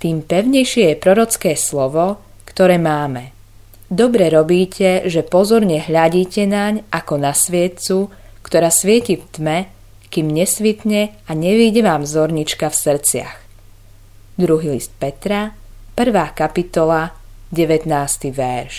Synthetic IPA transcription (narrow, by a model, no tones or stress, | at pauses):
t̪iːmpɛʊɲɛjʃɪɛjɛpɾɔɾɔt͡skɛːslɔʋɔ | kt̪ɔɾɛːmaːmɛ | d̪ɔbɾɛɾɔbiːcʰɛʒɛpɔzɔɾɲɛɦʎaɟiːcɛnaɲʔakɔnasʋɪɛt̪t͡su | kt̪ɔɾaːsʋɪɛcift̪mɛ | kimɲɛsʋit̪ɲɛaɲɛʋiːɟɛʋaːmzɔɾɲit͡ʃkafsr̩t͡sɪa̰x | d̪ɾuɦilist̪̚pɛt̪ɾapr̩ʋaːkapit̪ɔlaɟɛʋɛt̪naːst̪iʋɛɾʃ